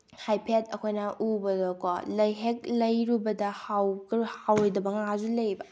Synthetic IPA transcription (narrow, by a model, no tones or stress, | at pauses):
hajpʰetɐkʰojnɐʔubɐdoko̰lɐjɦek̚lɐjɾubɐdɐhawhawdɐbɐŋazulɐjbɐ